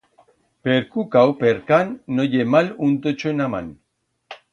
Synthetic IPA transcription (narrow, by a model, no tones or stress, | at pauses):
peɾkukawpeɾkanːojemalunt̪ot͡ʃoenama̰n